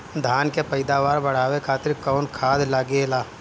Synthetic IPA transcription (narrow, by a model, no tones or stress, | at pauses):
d̪ʱaːnkepɐɪd̪aʋaːɾbɐɽ̤aːʋekʰaːt̪ɪɾkɔːʊnkʰaːd̪laːɡeːlaː